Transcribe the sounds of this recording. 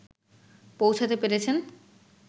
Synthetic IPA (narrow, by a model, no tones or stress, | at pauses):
powt͡ɕʰat̪epeɾet͡ɕʰen